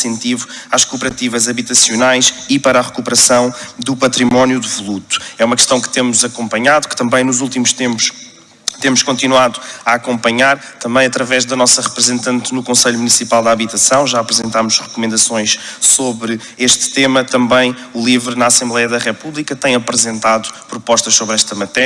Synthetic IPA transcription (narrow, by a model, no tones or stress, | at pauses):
ẽnt̪ivuaʃkupɨɾɐt̪ivɐzɐβit̪ɐsjunajʃipɐɾaʁɨkupɾɐsɐ̃w̃d̪upɐt̪ɾimɔnjuðvulˠut̪u̥ɛumɐkʃt̪ɐ̃w̃kt̪emuzɐkõmpɐɲaðukt̪ɐ̃mbɐ̃j̃nuzulˠt̪imuʃt̪ẽmpu̥ʃ | t̪emuʃkõnt̪inwaðuɐakõmpɐɲaɾ | t̪ɐ̃mbɐ̃j̃ɐt̪ɾɐvɛʒðɐnɔsɐʁɨpɾɨzẽnt̪ɐ̃nt̪nukõsɐʎumunisipalˠd̪aβit̪ɐsɐ̃w̃ʒaɐpɾɨzẽnt̪amuʃʁɨkumẽnd̪ɐsõj̃ʃsoβɾɨ | eʃt̪t̪emɐt̪ɐ̃mbɐ̃j̃ | ulˠivɾnaːsẽmblˠɛjɐðɐʁɛpuβlˠikɐt̪ɐ̃j̃ɐpɾɨzẽnt̪aðupɾupɔʃt̪ɐʃsoβɾɛʃt̪ɐmɐt̪ɛ